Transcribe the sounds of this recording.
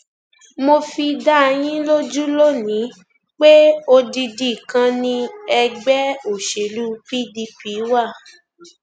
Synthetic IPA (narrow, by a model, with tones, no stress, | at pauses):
mo˧fi˧da˦˧j̃ĩ˦lo˦d͡ʒu˦lo˦nĩ˨˦ | k͡pe˦o˧di˧di˨kã˧nĩ˧ɛ˧ɡ͡bɛ˦o˨ʃe˨lu˦pi˦˨di˧pi˨˦wa˦˨